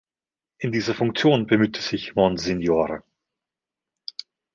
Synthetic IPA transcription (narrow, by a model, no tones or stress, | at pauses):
ʔɪndiːzɐfʊŋk̚t͡sjoːnbəmyːtʰəz̥ɪçmɔnzɪnjoːʁə